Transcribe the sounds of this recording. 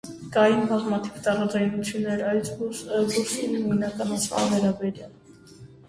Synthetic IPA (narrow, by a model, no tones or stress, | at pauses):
kɑjinbɑzmɑt̪ʰivt̪ɑɾɑd͡zɑjnut͡sʰjunːɛɾɑjt͡sd̪uɾsinimujnɑkɑnɑt͡sʰvɑ̰vɛɾɑbɛɾjɑl